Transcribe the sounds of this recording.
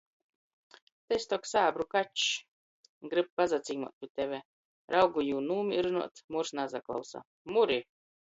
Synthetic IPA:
t̪ɛsʲt̪ɔksaːbɾukat͡ʃ | ɡɾɨb̚pazat̪siːmṵɔt̪̚pʲit̪ɛvʲɛ | ɾʔawɡujuːnuːmʲiɾunṵɔt̪muɾsnazaklˠa̰wsa̰ | muɾi

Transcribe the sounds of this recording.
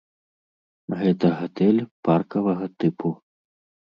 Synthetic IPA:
ɣɛt̪ɐɣat̪ɛlʲparkɐvɐɣɐt̪ɨpʰu

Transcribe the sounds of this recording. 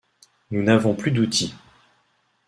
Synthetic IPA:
nunavɔ̃plyd̪ut̪ʰi

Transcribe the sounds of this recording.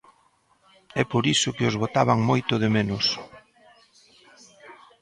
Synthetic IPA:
ɛpoɾisʊkɪʊzβot̪aβaŋmojt̪ʊð̞ɪmenʊs

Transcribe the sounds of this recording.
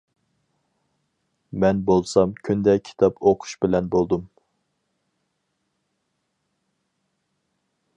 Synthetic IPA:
mɛnbolˠsɑmkʲʰynd̪ɛkʲʰi̥t̪ʰɑpʰoqʰʊ̥ʃbɪlɛnbolˠd̪um

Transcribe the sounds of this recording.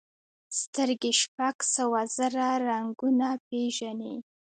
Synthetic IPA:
st̪əɾɡeʃpaɡ̥sawazaɾaɾaŋɡunapeʒani

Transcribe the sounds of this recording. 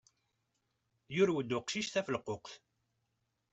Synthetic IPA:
jʊɾwəd̪ːʊqʃiʃθæfəlqoqθ

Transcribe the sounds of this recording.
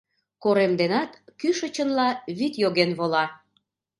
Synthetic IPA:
koɾemd̪enɑt̪kyʃə̆t͡ɕənlɑβit̪joɣenβolɑ

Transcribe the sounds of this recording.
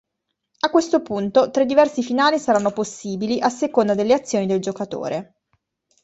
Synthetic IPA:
akːwest̪opunt̪ot̪ɾed̪ːivɛrsifinaːlisaɾanːoposːiːbiliʔasːekond̪ad̪elːeat̪sːjoːnid̪eld͡ʒokat̪o̰ːɾe

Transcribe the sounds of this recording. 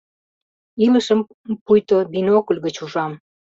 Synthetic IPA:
iləʃəm | pujt̪obinokulʲɣət͡ɕuʒɑm

